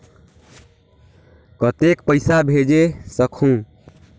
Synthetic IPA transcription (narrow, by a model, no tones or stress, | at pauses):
kət̪ekpəɪsabʱed͡ʒesəkʰũ